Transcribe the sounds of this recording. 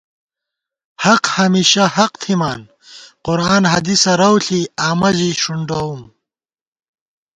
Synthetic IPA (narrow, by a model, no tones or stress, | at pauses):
hɐqhɐmiːɕɐhɐqt̪ʰimaːn | qʊɾaːnɦɐd̪isɐɾɐwɬiaːmɐʑiʂuɳɖɐum